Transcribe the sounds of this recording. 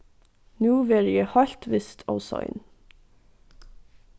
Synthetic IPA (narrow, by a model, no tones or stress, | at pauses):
nuːʋeːɾjeːhɑʎt̪ʋɪst̪ʰɑ̰ʊsɑ̰ɪn